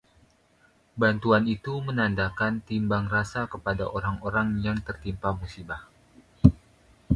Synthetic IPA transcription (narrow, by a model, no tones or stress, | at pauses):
bant̪uanit̪umənandakant̪imbaŋrasakəpadaʔoɾaŋoɾaŋjaŋt̪ərt̪impamusibah